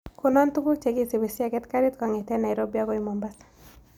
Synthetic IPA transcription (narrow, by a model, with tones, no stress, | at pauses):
ko˨nɔ˦ntu˦bu˦t͡ʃe˨ɡi˦se˨be˨sa˨ɡɛ˦tka˦ɾi˦tkɔ˨ŋe˨tɛ˦na˨i˨ɾo˦bja˦ɡɔ˦i˨mɔ˨mba˦s